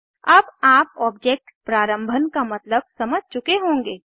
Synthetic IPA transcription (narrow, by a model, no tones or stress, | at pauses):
ɐbaːp̚ɔːb̚d͡ʒeːk̚ʈpɾaːɾə̃mbʱənkamɐt̪ləb̚sɐməd͡ʒʱt͡ʃʊkeɦõːŋɡeː